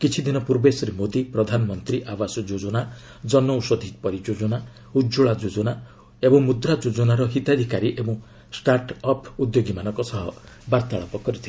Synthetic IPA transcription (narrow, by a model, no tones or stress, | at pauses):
kit͡ʃʰid̪inɔpuɾbesɔɾemod̪ipɾɔd̪ʱanɔmɔnt̪ɾiʔabasɔd͡ʒod͡ʒɔna | d͡ʒɔnːɔusɔd̪ʱipɔɾid͡ʒod͡ʒɔna | ud͡ʒuɭad͡ʒod͡ʒɔna | ebɔ̃ŋmud̪ɾad͡ʒod͡ʒɔnaɾɔɦit̪ad̪ʱikaɾiʔebɔ̃ŋ̃ | sʈaɾʈɔpʰud̪joɡimanɔ̃ŋkɔsɔɦɔ̰ | baɾt̪aɭɔpɔkɔɾit̪ʰil